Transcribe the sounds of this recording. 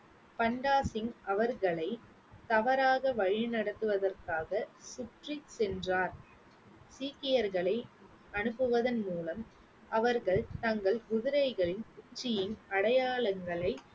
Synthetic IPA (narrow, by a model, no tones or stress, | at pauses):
pɐɳɖaːsɪŋɐʋɐɾɣɐɭɐɪ | t̪ɐʋɐɾaːɣɐʋɐɻɪnɐɽɐt̪ːɯʋɐðɐrkaːɣɐsʊʈrisɛndraːɾ | siːkɪjɐɾɣɐɭɐɪ | ɐnɯpːɯʋɐðɐnmuːlɐm | ʔɐʋɐɾɣɐɭt̪ɐŋɡɐɭɡʊðɪɾɐɪɣɐɭɪnkʊɲd͡ʒɪjɪnɐɽɐjaːɭɐŋɡɐɭɐɪ